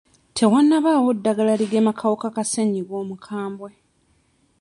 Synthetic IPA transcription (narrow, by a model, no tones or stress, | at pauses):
tʰe̞wanːaβaːwodːaɡalaliɡeːmakʰawokakaseɲiɡwo̞ːmukʰaːmbwe̞